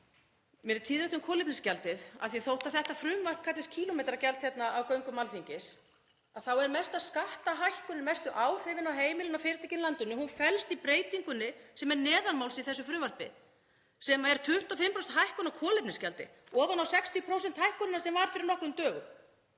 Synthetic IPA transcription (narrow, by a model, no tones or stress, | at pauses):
mɛnt̪ʰiːðɾɛht̪ʏmkʰɔːlɪpnɪscalt̪ɪθa̰ðθiθowht̪aðθɛht̪afɾʏmvar̥p̚kʰat̪lɪscʰiːlʊmɛːt̪ɾacɛlt̪çjɛt̪naʔawkœɥŋkʏmalθiɲcɪs | aðθawɛɾmɛst̪aðskaht̪aɦajhkʏnːɪmɛst̪ʏʔaːwr̥ʏvɪnawɦeːjmɪlɪnawfɪɾɪt̪acɪnlant̪ʏnːʏhunfɛlst̪ipɾeːjt̪iŋkʏnːɪsɛmɛɾnɛːðanmawlsiθɛsːʏfɾʏːmvar̥pɪ̰ | sɛmaɛɾ̥t̪ʰʏht̪afɪmpɾowsɛt̪ɦajhkʏnawkʰɔːlɪpnɪscalt̪ɪ̰ɔːvanawsɛkst̪ʰipʰɾowsɛnt̪hajhkʏnɪnasɛmvaɾfɪɾɪɾnɔhknʏmt̪œːɣ